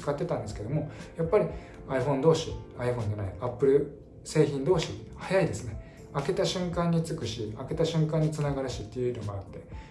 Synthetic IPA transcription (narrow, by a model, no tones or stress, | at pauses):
ɨ̥kat̪ːe̞t̪ãnd̪e̞sɨ̥ke̞d̪o̞mo̞japːaɾʲi | aiɸõ̞nd̪o̞ːɕiaiɸõ̞ɲ̟d͡ʑanaiapːɯ̟ɾɯ̟ | se̞ːçĩnd̪o̞ːɕihajaid̪e̞sɨne̞ | ake̞t̪aɕɨ̃ŋkãɲ̟ːit͡sɨkɯ̟ɕiake̞t̪aɕɨ̃ŋkãɲ̟ːit͡sɨnaɡaɾaɕit̪ːe̞jɯinomoat̪ːe̞